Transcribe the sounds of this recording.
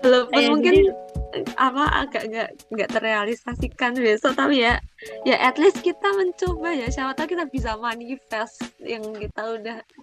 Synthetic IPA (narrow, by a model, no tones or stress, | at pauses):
bəlopʊmuŋkɪn | apaa̰ɡaʔŋɡaʔ | ŋɡaʔt̪əɾealisasikanbesot̪apijajaʔɛt̪lɪskit̪aməɲt͡ʃobajasawat̪lakit̪abis̬amanifɛst̪̚jaŋkit̪audah